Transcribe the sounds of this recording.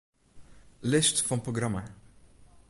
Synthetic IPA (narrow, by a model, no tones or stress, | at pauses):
lɪstfɑnproɡɾɑma